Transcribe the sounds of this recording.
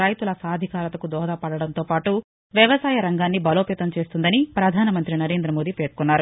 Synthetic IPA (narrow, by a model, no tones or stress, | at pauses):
ɾɐjt̪ulɐsaːd̪ʱikaːɾɐt̪ɐkud̪ɔːd̪aːpɐɽɐɽɐnt̪o̞ːpaːʈu | ʋjɐʋɐsaːjɐɾɐŋɡaːnːibɐloːpeːt̪ɐmt͡ʃe̞ːst̪und̪ɐnipɾɐd̪ʱaːnɐmɐnt̪ɾinɐɾeːnd̪ɾɐmoːd̪ipeːɽ̚kunːaːɾu